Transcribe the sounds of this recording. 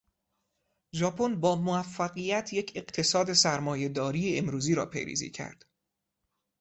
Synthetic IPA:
d͡ʒɒːpʰonbɒːmoæfːæɣijæt̪ʰje̞cʰe̞ɢt̪ʰe̞sɒːd̪e̞sæɾmɒːje̞d̪ɒːɾiːjeemɾuːziːɾɒ̰ːpʰḛjɾḭːzḭːcʰæ̰ɾd̪̥

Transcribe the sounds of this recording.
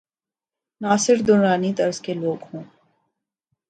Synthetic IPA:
naːsɪɾd̪ʊnɾaːnit̪ɐɾz̥keloːɡhõː

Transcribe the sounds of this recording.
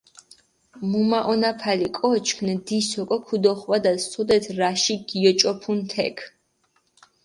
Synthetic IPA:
mumaʔɔnapʰalikʼɔt͡ʃʰkʰnd̪isɔkʼɔkʰud̪ɔχwad̪ast̪ʰɔd̪ɛt̪ʰɾaʃiɡiɔt͡ʃʼɔpʰunt̪ʰɛ̰kʰ

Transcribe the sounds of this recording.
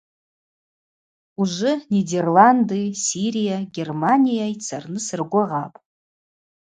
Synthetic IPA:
uʐɪnʲiderlandɨjsiɾijaɡʲe̞rmanʲijajt͡sʰarnɨsɨrɡʷaʁapʼ

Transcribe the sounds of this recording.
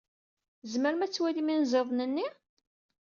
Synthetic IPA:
zməɾmæt͡sːwæliminzəðˤnənːi

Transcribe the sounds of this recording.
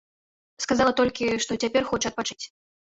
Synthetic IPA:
skazalˠɐt̪ɔlʲkʲiʂt̪ɔt͡sʲapʲɛrxɔt͡ʂɨɐt̪̚pat͡ʂɨ̥t͡sʲ

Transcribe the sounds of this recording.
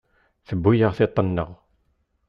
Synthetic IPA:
θəbːujəʁθet̪ˤːənːəʁ

